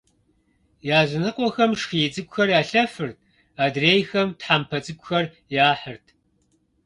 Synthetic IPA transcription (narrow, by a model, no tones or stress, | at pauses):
jaːzɪnɨqʷɔxɐmʂxiːt͡sʼɨɡʷxɐrjaːɬɐfɨrtʰ | aːdreːjxɐmtħaːmpʰɐt͡sʼɨɡʷʼxɐr | jaːħərtʰ